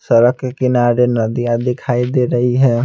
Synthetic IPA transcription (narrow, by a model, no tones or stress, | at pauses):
səɾəkːekɪnaːɾenɐd̪ijãd̪ɪkʰaːid̪eːɾɐɦiɦɛː